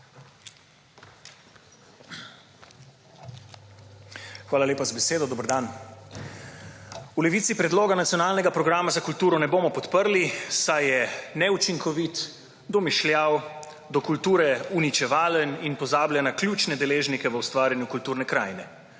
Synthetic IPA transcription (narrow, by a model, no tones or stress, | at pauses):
xʋaːlaleːpazabɛseːd̪ɔd̪oːbəɾd̪an | ulɛʋiːt̪sipɾɛd̪loːɡanat̪sijɔnaːlnɛɡapɾɔɡɾaːmazakult̪uːɾɔnɛboːmɔpɔt̪pəɾlisajɛnɛut͡ʃiŋkʰɔʋit̪ | d̪ɔmiʃlʲjaw | d̪ɔkult̪uːɾɛunit͡ʃɛʋaːləninpɔzaːbljanaklʲuːt͡ʃnɛd̪ɛleːʒnikɛʋəwst̪ʋaːɾʲjanjukult̪uːɾnɛkɾaːjnɛ